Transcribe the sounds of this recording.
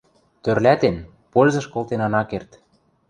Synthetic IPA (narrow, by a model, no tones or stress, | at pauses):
t̪ørlæt̪en | polʲzɤ̆ʃkolt̪enɑnɑkert̪